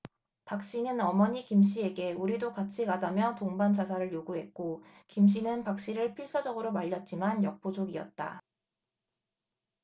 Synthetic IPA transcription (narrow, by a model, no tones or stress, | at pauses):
pak̚ɕ͈inɯnʌmʌɲikimɕ̬͈ʰie̞ɡe̞uɾidokat͡ɕʰikad͡ʑamjʌtoŋbant͡ɕas̬ʰaɾɯɭjoɡuɦe̞t̚k͈okimɕ̬͈inɯnpak̚ɕ͈iɾɯɭpʰiɭs͈ʌd͡ʑʌɡɯɾomaʎːʌt̚t͡ɕ͈imanjʌk̚p͈od͡ʑoɡiʌ̰t̚t͈a̰